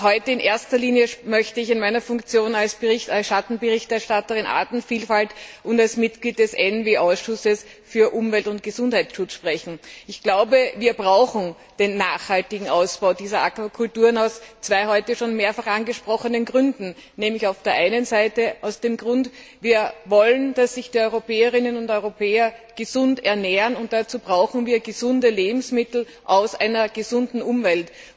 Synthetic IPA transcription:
ɦɔʏtəɪnʔeːɐstɐliːnjəmœçtəɪçɪnmæɪnɐfʊŋkt͡sjoːnalsb̥əʁɪçtasʃatn̩bəʁɪçtɛɐʃtatəʁɪnʔa̰ːtn̩fiːlfaltʔʊntalsmɪtɡ̥liːt̚d̥ɛsʔɛnveːʔaʊsʃʊsəs | fyːɐʔʊmvɛltʊnt̚ɡ̥əzʊnthæɪt͡sʃʊt͡sʃpʁ̥ɛçn̩ɪçɡ̥laʊbəviːɐbʁaʊxn̩ | d̥eːnːaːχhaltɪɡŋ̩ʔaʊsb̥aʊdiːzɐʔakvakʰʊltuːɐnaʊst͡sv̥aɪɦɔʏtəʃoːnmeːɐfaχʔanɡəʃpʁ̥ɔχənənɡʁʏndn̩nɛːmlɪçaʊfd̥eːɐʔaɪnənzaɪtəʔaʊsd̥eːmɡʁʊnt | viːɐvɔlənd̥asːɪçd̥iːɔʏʁopeːəʁɪnənʊntɔʏʁopʰeːɐɡ̥əzʊntɛɐneːɐənʊnt̚d̥at͡suːb̥ʁaʊxŋ̩viːɐɡəzʊndəleːbm̩smɪtl̩ | ʔaʊsʔaɪnɐɡ̥əzʊndn̩ʔʊmvɛlt

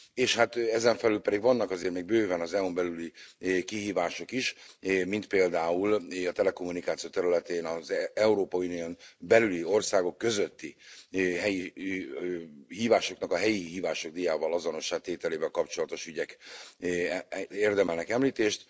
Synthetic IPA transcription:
eːʃhat̪ɛzɛɱfɛlylpɛd̪iɡʋɒnːɒkɒzeːrt̪meːɡ̚bøːvɛnɒzɛumbɛlylikiɦiːvaːʃo̞kiʃmint̪̚peːld̪aːulɒt̪ɛlɛko̞mːunikaːt̪sijot̪ɛɾylɛt̪eːnɒzɛuɾoːpɒunijonbɛlylio̞rsaːɡo̞kːø̞zøt̪ːiɦɛji | ɦiːvaːʃo̞knɒkɒɦɛjiɦiːvaːʃo̞ɡ̚d̪ijaːvɒlɒzono̞ʃːaːt̪eːt̪ɛleːvɛlkɒpt͡ʃo̞lɒt̪o̞ʃyɟɛkː | eːrd̪ɛmɛlnɛkɛmliːt̪eːʃt̪

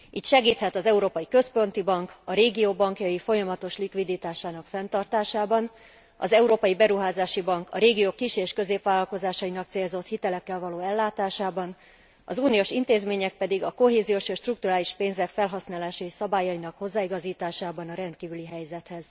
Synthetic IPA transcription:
ʔiːt̪ʃɛɡiːt̪hɛt̪ɒzɛuɾoːpɒjikø̞spo̞nt̪ibɒŋkɒɾeːɡioːbɒŋkjɒjifo̞jɒmɒt̪o̞ʃlikʋid̪it̪aːʃaːnɒkfɛnt̪ɒrt̪aːʃaːbɒn | ɒ̰zɛuɾoːpɒjibɛɾuɦaːzaːʃibɒŋkʰɒɾeːɡijoːkːiʃeːʃkø̞zeːpʋaːlɒlko̞zaːʃɒinɒkt̪seːlzo̞t̪hit̪ɛlɛkːɛlvɒloːɛlːaːt̪aːʃaːbɒn | ɒ̰zuːnioːʃint̪eːzmeːɲɛk̚pɛd̪iɡɒko̞ɦeːzijoʃeːʃt̪ruk̚t̪uɾaːliʃpeːnzɛkfɛlɦɒsnaːlaːʃɛiʃsɒbaːjɒinɒkho̞zːaːiɡɒziːt̪aːʃaːbɒnɒɾɛnt̪̚kiːvyliɦɛjzɛt̪hɛz̥

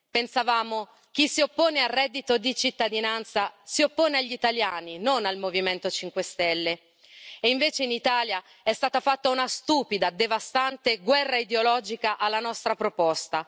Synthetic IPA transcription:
pensavaːmo | k̟isiopːoːnearːɛd̪ːit̪od̪it͡ʃit̪ːad̪inant̪sasiopːoːneaʎːit̪aljaːninonalmoviment̪ot͡ʃiŋkwest̪ɛlːe | eiɱveːt͡ʃeinit̪aːlja | ɛst̪aːt̪afat̪ːaunast̪uːpid̪ad̪evast̪ant̪eɡwɛrːaid̪eolɔːd͡ʒikaʔalːanɔst̪ɾapɾopɔst̪a

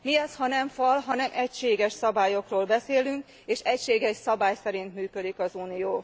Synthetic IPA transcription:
miɛshɒnɛɱfɒlɦɒnɛmʔɛcʃeːɡɛʃsɒbaːjo̞kroːlbɛseːlyŋk | eːʃɛcʃeːɡɛʃsɒbaːjsɛɾint̪myːkød̪ikɒzuːnijoː

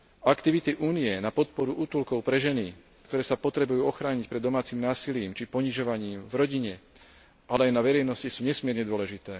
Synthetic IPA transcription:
akt̪iʋit̪iʔuːniɛnapɔt̪̚pɔɾuʔut̪ulkɔʊpɾɛʒɛni | kt̪ɔɾɛːsapɔt̪ɾɛbujuːɔxɾaːɲic̚pɾɛd̪ːɔmaːt͡simnaːsiliːmt͡ʃipɔɲiʒɔʋaɲiːmvɾɔɟiɲɛ | ʔalɛajnaʋɛɾɛjnɔscisuːɲɛsmɪɛɾɲɛd̪ʊɔlɛʒit̪ɛː

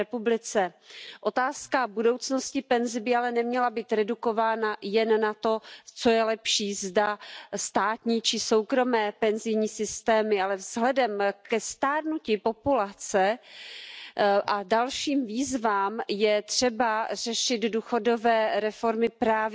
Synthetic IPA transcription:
ɛpublɪt͡sɛʔo̞t̪aːskabudo̞wt͡sno̞scɪpɛnzɪbɪalɛnɛmɲɛlabiːt̪ɾɛduko̞vaːnajɛnːat̪o̞t͡so̞jɛlɛpʃiːzdast̪aːt̪ɲiːt͡ʃɪso̞wkɾo̞mɛːpɛnzɪjɲiːsɪst̪ɛːmɪalɛvz̥ɦlɛdɛmkɛst̪aːdnucipo̞pulat͡sɛ | ʔadalʃiːmviːzvaːmjɛt̪r̝̥ɛbar̝̥ɛʃɪd̪duːxo̞do̞vɛːɾɛfo̞ɾmɪpɾaːv

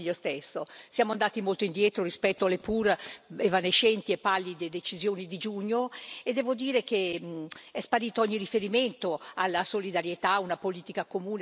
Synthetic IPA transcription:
ʎːost̪esːosjaːmoand̪aːt̪imolt̪oind̪jɛt̪ɾorispɛt̪ːoalepuːɾevaneʃːɛnt̪iepːalːid̪ed̪et͡ʃizjoːnid̪id͡ʒuɲːoed̪ːɛːvod̪iːɾek̟e | ɛspaɾiːt̪oɔɲːirifeɾiment̪oalːasolid̪aɾjet̪aunapoliːt̪ikakomuːn

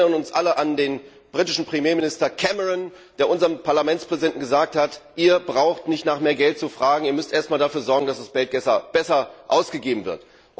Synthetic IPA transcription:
ɐnʊnsʔaləʔandeːn | b̥ʁitɪʃn̩pʁ̥imjeːmɪnɪstɐkʰɛməʁɔn | d̥eːɐʔʊnzəʁənpʰaɐlamɛnt͡spʁ̥ɛzidɛnʔn̩ɡəzaːk̚thatʔiːɐbʁaʊxtnɪçtnaːχmeːɐɡɛlt̚t͡sufʁ̥aːɡŋ̩iːɐmʏstʔeːɐstmaːldafyːɐzɔɐɡŋ̩dasd̥asb̥ɛlt̚ɡ̥ɛsɐb̥ɛsɐʔaʊsɡ̥əɡeːbm̩vɪɐt

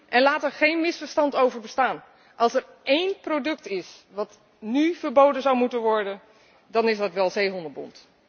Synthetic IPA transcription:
ʔɛnlaːtəɹχejnmɪsfəɹstɑntowvəɹbəstaːn | ʔɑlˠsɛɹ | ejnprodɵktɪsʋɑt | nyvəɹbowdənzawmutənʋɔɹdən | dɑnɪzdɑtʋɛlˠzejɦɔndəbɔ̰nt

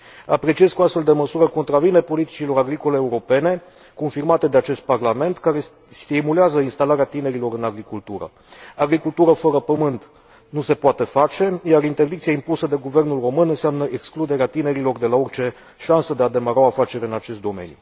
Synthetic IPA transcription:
a̰pɾe̞t͡ʃie̞zkuast̪fe̞ld̪e̞məsuɾəko̞nt̪ɾavinepo̞lit̪i̥t͡ʃilo̞ɾaɡɾiko̞le̞ːuɾo̞pe̞ne̞ | ko̞nfirmat̪e̞d̪e̞at͡ʃe̞st̪̚parlame̞nt̪kaɾe̞ | st̪imuleazəinst̪alaɾeat̪ine̞ɾilo̞ɾɨnaɡɾikult̪uɾə̰ | aɡɾikult̪uɾəfəɾəpəmɨnt̪ | nuse̞poat̪e̞fat͡ʃe̞jarint̪e̞rd̪ikt̪siaimpusəd̪e̞ɡuve̞rnulro̞mɨnɨnseamnəʔe̞ksklud̪e̞ɾeat̪ine̞ɾilo̞rd̪e̞laort͡ʃe̞ | ʃansəd̪e̞ad̪e̞maɾaafat͡ʃe̞ɾʲɨnat͡ʃe̞st̪d̪o̞me̞̰njṵ

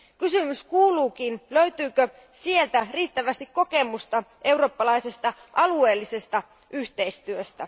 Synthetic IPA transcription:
kysymyskuːluːkinløɥt̪yːkø | sie̞lt̪æriːt̪ːæʋæst̪ikko̞ke̞must̪ɑʔe̞wro̞ːpːɑlɑjse̞st̪ɑ | ʔɑlue̞ːlːise̞st̪ɑ | ʔyçt̪e̞ist̪yøst̪æ

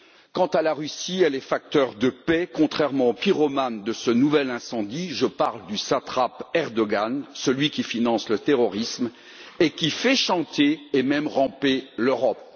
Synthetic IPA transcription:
kɑ̃t̪alaʁysiɛlɛfak̚t̪œʁd̪əpɛkɔ̃t̪χɛʁmɑ̃opiʁɔmand̪əsənuvɛlɛ̃sɑ̃d̪iʒəpaʁld̪ysat̪χapɛʁd̪ɔɡansəlɥikʲifinɑ̃slət̪eʁɔʁism | ekʲifɛʃɑ̃t̪eːmɛmʁɑ̃peløʁɔp̚

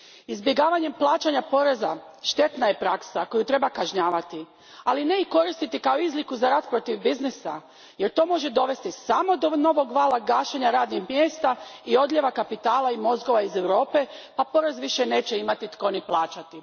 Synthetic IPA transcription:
izbjeɡaːʋaɲe̞mplˠaːt͡ʃaɲapo̞ɾe̞za | ʃt̪e̞t̪naje̞pɾaksako̞jut̪ɾe̞bakaʒɲaːʋat̪i | aline̞iko̞ɾist̪it̪ikaoizlikuzaɾaːd̪pɾo̞t̪iʋbiznisa̰ | je̞ɾt̪o̞ːmo̞ʒed̪o̞ʋe̞st̪isamo̞d̪ono̞ʋo̞ɡʋaːlˠaɡaːʃeɲaɾaːd̪nixmjeːst̪aio̞d̪ʎʲe̞ʋakapit̪aːlaimo̞zɡo̞ʋaize̞wɾo̞ːpe̞papo̞ɾe̞zʋiʃene̞ːt͡ɕe̞imat̪it̪ko̞niplˠaːt͡ʃat̪i

